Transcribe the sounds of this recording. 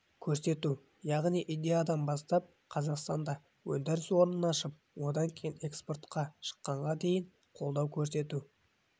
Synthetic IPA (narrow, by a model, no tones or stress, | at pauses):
kʲʰɵɾse̞t̪u | jɑʁnijʔid̪ʲe̞jad̪ɑnbɑst̪ɑp̚ | qʰɑzɑqst̪ɑnd̪ɑ | wɵnd̪eɾɪswo̞ɾnənɑʃəp̚wo̞d̪ɑŋkʲʰe̞jɪne̞kspo̞rt̪qɑʃə̥qːɑɴʁɑd̪e̞jɪɴ | qʰo̞lˠd̪ɑwkʲʰɵɾse̞t̪u